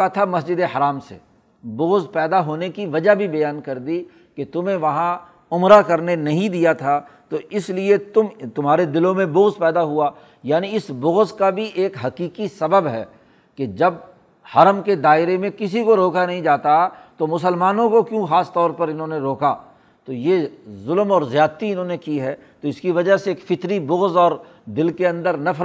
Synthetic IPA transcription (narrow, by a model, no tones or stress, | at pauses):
at̪ʰamɐsd͡ʒɪd̪eɦɐɾaːmsḛ | boːzpɛːd̪aɦoːnekiʋɐd͡ʒaɦbʱibɐjaːnkɐɾd̪i | ket̪ʊmẽʋɐɦã | ʊmɾakɐɾnenɐɦĩd̪ijat̪ʰat̪oɪsliet̪ʊmt̪ʊmɦaːɾed̪ɪlõmẽboːzpɛːd̪aɦuaː | jaːniɪsboːzkabʱiʔeːkɦɐkiːkisɐbəbɦɛ̰ː | ked͡ʒɐb | hɐɾəmked̪aːɪɾemẽkɪsikoɾoːkanɐɦĩd͡ʒaːt̪at̪omʊsəlmaːnõkokjũːxaːst̪ɔːɾpɐɾɪnɦõːneɾoːka | t̪ojezʊlmɔːɾzjaːt̪iɪnɦõnekiɦɛː | t̪oɪskiʋɐd͡ʒaɦseeːkfɪt̪ɾibʊɣzɔːɾ | d̪ɪlkeɐ̃nd̪əɾnɐfʰ